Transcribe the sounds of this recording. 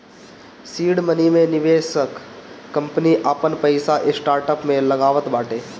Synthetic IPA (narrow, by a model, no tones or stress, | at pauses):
siːɽmənimẽnɪʋeːʃəkː | ɐ̃mpniʔaːpənpəɪsaʔɪsʈaːɾʈəpmẽlɐɡaːʋət̪baːʈeː